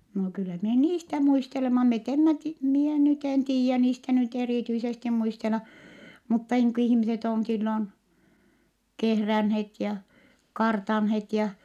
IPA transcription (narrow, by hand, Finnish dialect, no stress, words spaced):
no kylːæ mie niːstæ muistelemɑ met emːæ ti mie nyt en tiːjæ niːstæ nyt eriˑtyisesti muistelɑ mutːɑ niːŋ ku ihĭmiset on silːon kehrænhet jɑ kɑrtɑnhet jɑ